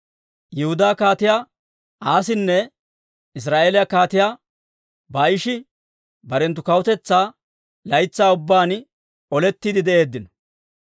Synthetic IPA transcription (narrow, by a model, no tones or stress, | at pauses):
jɛhʊd̪aːkaːt̪ɪjaː | aːs̬ɪnːɛ | ɪs̬ɾaːʔeːlɪjakaːt̪ɪjaː | baːjɪʃɪ | bɐɾɛnt̪ːʊkɐwʊt̪ɛt͡sːaː | lɐjt͡sːaːʊbːaːn | ɔlɛt̪ːiːd̪ɪd̪ɛʔe̞ːd̪ːɪnɔ̥